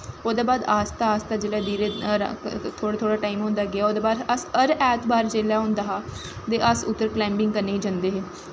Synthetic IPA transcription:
oːd̪eːbaːd̪aːst̪aːaːst̪aːd͡ʒeːɽaːd̪iːɾḛː | t̪ʰoːɽet̪ʰoːɽaːʈaːimɦõːnd̪aːɡɪaːoːd̪eːbaːd̪əsəɾɛːt̪baːɾt͡ʃeːljaːɦʊ̃nd̪aːɦaː | d̪eːʔəsʊt̪ːəɾklɛ̃ːmbɪ̃ŋɡkənːeːiːd͡ʒãːnd̪eːɦeː

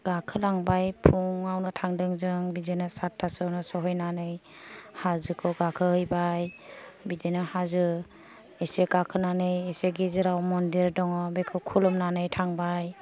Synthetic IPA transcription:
ɡ̥akʰɯlaŋbajpʰuŋawnɯtʰaŋdɯŋzɯŋbidenɯsatʰːasɔwnɔsɔɦɔjnanɯj | hazɯkʰɯwɡakʰɯɦɯjbajbidenɯhazɯ | eseɡakʰɯnanɯjeseɡizɯɾawmɔndiɾdɔŋɔbekʰɯwkʰulɔmnanɯjtʰaŋbaj

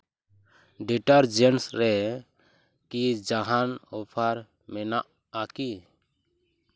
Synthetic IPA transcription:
ɖiʈaɾd͡ʒɛnsɾɛ | kid͡ʒaɦanɔpʰaɾ | mɛnaʔ | aki

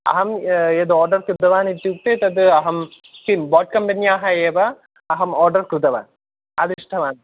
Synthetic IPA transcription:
ɐ̰ɦɐmed̪oːɾɖɐrkɾɨd̪ɐʋaːnit̪ːjuːk̚t̪eːt̪ɐd̪ɨɐɦɐm | fimboːʈ̚kɐmbɐnijaːɦɐeːʋɐː | ɦɐmoːrɖɐrkɾud̪ɐʋa̰ːn | ɐd̪iʂʈʰɐʋaːn

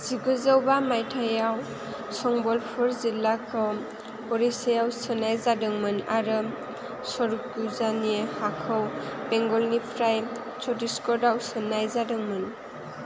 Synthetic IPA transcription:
z̥iɡɯzəwbamajtʰajaw | sɔŋbɔlpʰuɾzilːakʰɔ | ɔɾisajawsɯnajzadɯŋmɯnaɾɯ | sɔɾukuzaniehakʰɯwbɛŋɡɔlnipʰɾaj | t͡ʃɔdiskɔɾdawsɯnajzadɯŋmɯn

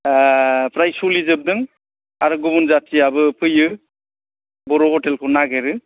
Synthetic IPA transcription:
pɾajsulizɯb̚d̪ɯŋ | aɾɯɡubunzatiabɯpʰɯjɯ | bɔɾohɔtelkʰɯnaɡeɾɯ

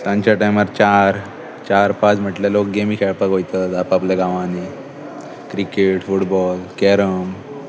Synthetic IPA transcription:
t̪ãɲt͡ɕjaʈajmaɾt͡ɕaɾ | t͡ɕaɾpat͡sm̤əʈljalok̚ɡemiːkʰɛɭpakɦojt̪ət̪apapleɡãʋãni | kɾikeʈfuʈbɔlkɛɾəm

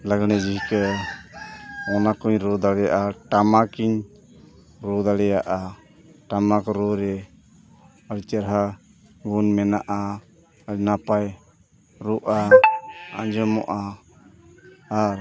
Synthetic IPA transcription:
laɡnɛd͡ʒiɦkə | ɔnakɔɲɾɔd̪aɽɛja̰ʔaʈamakiɲ | ɾɔd̪aɽɛjaʔa | ʈamakɔɾɔɾɛ | əɽt͡ʃəɾɦa | ɡunmɛnaʔa | napaj | ɾuʔa | a̰ɲd͡ʒɔmɔ̰ʔa | ɾ

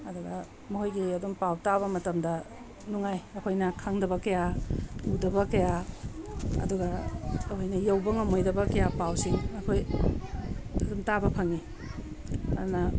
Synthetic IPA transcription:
ɐduɡɐ | muɦojɡiɐdumpawtaβɐmɐtɐmdɐ | nuŋajɐkʰojnɐkʰaŋdɐβɐkɐjaudɐbɐkɐja | ɐ̰duɡɐːkʰojnɐjɐwbɐŋɐmojdɐbɐkɐjapawsiŋɐkʰoj | ɐdumtabɐpʰɐŋi | ɐdunɐ

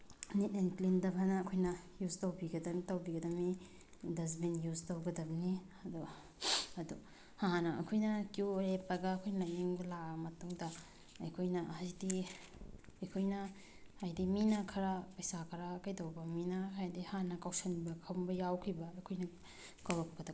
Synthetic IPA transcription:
nitenklindɐbʱanɐːkʰojnɐ | juztɐwbiɡɐdɐmitɐwbiɡɐdɐmi | dɐzminjuztɐwɡɐdɐbɐni | ɐdu | ɐdu | hanɐɐ̰kʰojnɐkiuɾepːɐɡaːkʰojnɐjiŋbɐlamɐtuŋdɐ | ɐjkʰojnɐhajdi | ɐjkʰojnɐ | hajdiminɐkʰɐɾapɐjsakʰɐɾakajtɐwbɐminɐɦajdihanɐkawsɐnibɐkʰɐwmbɐjawkʰibɐɐjkʰojnɐ | kawɾɐk̚pɐdɐ

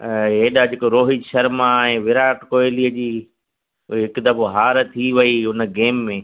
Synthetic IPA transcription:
ɦeːɗad͡ʑɪkoɾoːɦɪd͡ʒʃɐɾmaẽːʋɪɾaːʈkoːeliəd͡ʑiː | ɦɪkd̪ɐboɦaːɾt̪ʰiʋɐiɦʊnəɡeːmːẽː

